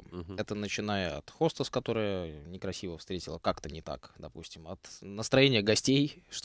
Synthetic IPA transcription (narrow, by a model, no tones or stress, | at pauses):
ɛt̪ənət͡ɕɪnajəɐ̰t̪xo̞st̪əskɐt̪o̞ɾəjənʲɪkɾɐsʲivəfst̪ɾʲetʲɪlˠəkakt̪ənʲɪt̪a̰kd̪ɐpṵsʲtʲɪmɐt̪nəst̪ɾɐjenʲɪjəɡɐsʲtʲejʂt̪